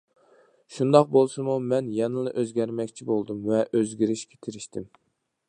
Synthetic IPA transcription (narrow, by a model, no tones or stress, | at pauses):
ʃund̪ɑq̚bolˠsɨmumɛnjɛnɨlˠɨʔøzɡʲɛɾmɛkʲt͡ʃʰibolˠd̪umvɛʔøzɡʲiɾɪʃkʲʰɛ̥t̪ʰɪɾɪʃt̪ɪm